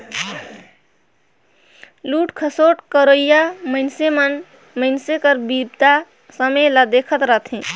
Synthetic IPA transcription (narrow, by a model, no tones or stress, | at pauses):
luːʈkʰəsoʈkəɾoijaməɪnsemən | məɪnsekəɾbib̚t̪a | səmelad̪ekʰət̪ɾət̪ʰẽ